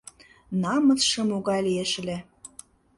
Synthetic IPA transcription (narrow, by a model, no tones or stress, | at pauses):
nɑmə̆t͡sʃɤ̆moɣɑjlieʃlʲĕ